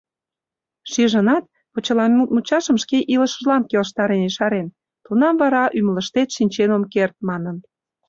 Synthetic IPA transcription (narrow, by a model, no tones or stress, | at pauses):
ʃiʒənɑt̪̚ | pot͡ɕəlɑut̪mut͡ɕɑʃəmʃkeʔiləʃə̆ʒlɑnkelʃ̬t̪ɑɾeniʃɑɾen | t̪unɑmvɑɾɑʔymələʃt̪et̪ʃinʲt͡ɕenomkert̪̚mɑnən